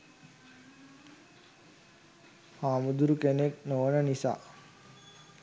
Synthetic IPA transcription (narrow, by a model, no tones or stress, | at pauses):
haːmud̪uɾukeneknoʋənənisa̰ː